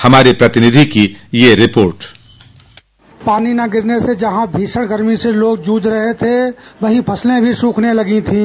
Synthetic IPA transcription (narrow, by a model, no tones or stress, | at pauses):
hɐmaːɾipɾɐt̪ɪnɪd̪ʱikijeɾɪpoːɾʈ | paːninaɡɪɾnesed͡ʒəɦãbʱiːsəɽ̃ɡəɾmiseloːɡd͡ʒuːd͡ʒɾəɦet̪ʰeʋɐɦĩpʰɐslẽbʱisũːkʰnelɐɡĩt̪ʰĩː